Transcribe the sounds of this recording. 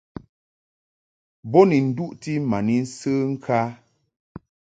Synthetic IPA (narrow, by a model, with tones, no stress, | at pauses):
bɔ˦ni˨n̩˨˦du˦ʔti˦ma˨ni˦n̩˦səː˦ŋ̩˦kʰa˦